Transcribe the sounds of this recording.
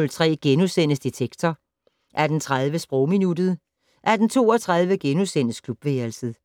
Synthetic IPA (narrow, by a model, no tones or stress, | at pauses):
lt͡sʰʁɛ̰ːɡ̥enusen̰əsd̥it͡sʰeɡ̥t͡sʰɐ | ʔæɐd̥ent͡sʰʁað̞ˠʋəsb̥ʁɔʊ̰minud̥ð̞̩ˠ | ʔæɐd̥ent͡sʰo̝̰ːɒt͡sʰʁäð̞ˠʋəɡ̥enusen̰əskʰlub̥ʋeːɐlsəð̩ˠ